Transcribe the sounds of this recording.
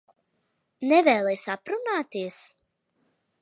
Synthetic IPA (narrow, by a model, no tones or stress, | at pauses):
nɛvɛːlˠɛjsapɾunaːt̪iəs